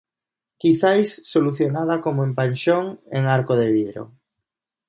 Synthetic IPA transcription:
kiθajsːoluθjonaðakomoẽmpanʲʃoŋḛŋaɾkoðeβiðɾo̰

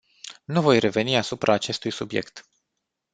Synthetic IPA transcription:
nuvo̞jre̞ve̞niasupɾʔaːt͡ʃe̞st̪ujsubje̞̰kt̪

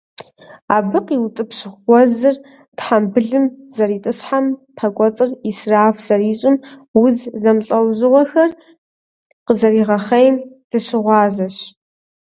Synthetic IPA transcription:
aːbɨqiwtʼɨpɕɪχʷɔzɨr | tħambɨɮɨmz̥ɐɾiːtʼɨsħampʰɐkʷʼɔt͡sʼɨrisraːfz̥ɐriːɕʼɪmwʊzzɐmɬʼɐwʑɪʁʷɔxɐr | qəzɐriːʁɐχɐjm | d̥ɨɕɪʁʷɑːzɐɕ

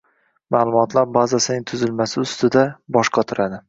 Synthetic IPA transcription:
maːlˠʊmɒt̪ʰlaɾbazasɪnɪŋt̪ʰʊzɪlmasɪʊst̪ɪd̪abɒʃqʰɑt̪ʰʊɾʔad̪ɪ

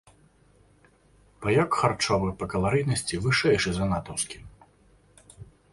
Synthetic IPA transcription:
pɐjɔkxart͡ʂɔvɨpɐkɐlˠaɾɨjnɐsʲt͡sʲivɨʂɛjʂɨzɐnat̪ɐwskʲi

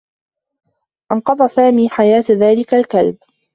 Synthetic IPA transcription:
ʔɑnqɑd̪ˤɑsaːmiːħajaːt̪ðaːlɪkalkalb

